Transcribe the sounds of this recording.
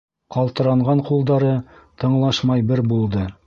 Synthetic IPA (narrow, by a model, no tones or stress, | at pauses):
qɑlˠt̪ɤ̆ɾɑɴʁɑɴqulˠd̪ɑɾɤt̪ɤ̆ɴlˠɑʃmɑjbɘɾbulˠd̪ɤ